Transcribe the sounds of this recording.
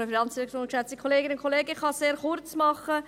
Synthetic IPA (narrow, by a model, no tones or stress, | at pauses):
əfinɑnt͡sɪktoːnkʃat͡sti̥kʰoleːɡɪnʊnkʰoleːɡəɪχɑseːɾχʊɾt͡smɑχə